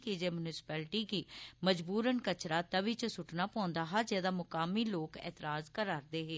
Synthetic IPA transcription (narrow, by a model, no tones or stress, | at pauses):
kiːd͡ʒeːmʊnɪsɪ̥pɛːlʈiːkiːməd͡ʒbuːɾənkət͡ʃɾaːt̪əʋit͡ʃəsʊʈnaːpɔ̃ːnd̪aːɦaːd͡ʒeːd̪aːmʊkaːmiːloːkɛ̰ːt̪ɪɾaːzkəɾaːɾd̪eːɦeː